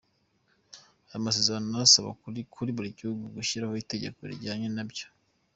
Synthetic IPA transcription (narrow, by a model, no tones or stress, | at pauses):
ajomas̬e̞zaɾanonaasaβa̰kʰuɾiβuɾiɟihuɡuɡuʃiɾaho̞ite̞ɟe̞̰ko̞ḭɾɟaːɲenabɟo̥